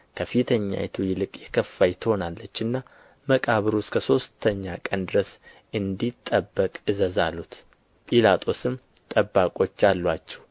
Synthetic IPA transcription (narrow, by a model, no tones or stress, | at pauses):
kʰəfit̪ʰəɲːa̰jɛt̪ʰujɪlɨkʼjɛkʰəfːajt̪ʰɨho̞nalːət͡ʃːɨnːa | məkʼaβɨɾuskʰəso̞st̪ʰːəɲːakʼənd̪ɨɾəs | ʔɨnd̪it̪ʼːəbːəkʼɨzəzalːut̪ | pʼilat̪ʰʼo̞sɨmː | t̪ʼəbːakʼo̞t͡ʃːalːwat͡ʃːɛ̥w